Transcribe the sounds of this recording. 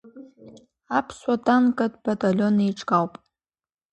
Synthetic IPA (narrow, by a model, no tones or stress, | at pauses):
apʰswatʼankʼadb̥atʼalʲo̞neiʈ͡ʂʼɡawpʼ